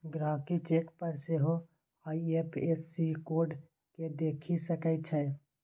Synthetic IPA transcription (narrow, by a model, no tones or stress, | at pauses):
ɡɾaːkit͡ʃeːʈpəɾseɦo | aːiepʰeːsːikoːɾɖ | ked̪eːkʰisəkət͡ʃʰɛː